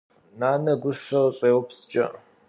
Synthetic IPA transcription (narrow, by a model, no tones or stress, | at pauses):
naːnɐɡʷʊʂɐɕʼeːwʊpst͡ʃʼɐ̰